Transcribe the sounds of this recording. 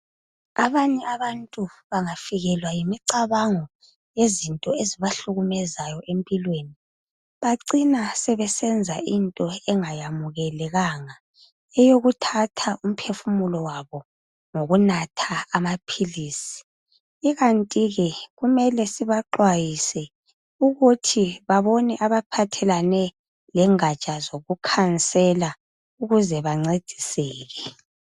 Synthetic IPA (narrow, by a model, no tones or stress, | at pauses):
aβaɲɛaβantʼuβaŋafiɣɛlwajimiǀaβaŋɔ | jezintʼɔeziβaɬuɣumɛzajɔʔempʼilweːni | βaǀinasɛβɛsɛnd͡zʱaintʼɔɛŋajamuɣɛlɛɣaŋa | ɛjoɣutʰatʰaum̩pʰefumulɔwaβɔ | ŋoɣunatʰaːmapʰiliːsi̥ː | ɣantʼiɣɛɣumɛlɛsiβaǃwajisɛ | uɣutʰiβaβonɛʔaβapʰatʰɛlanɛ | lɛŋat͡ʃʼazoɣukʰansʼɛla | uɣuzɛβaŋ͡ǀed̥ʱi̥sɛːɣɛ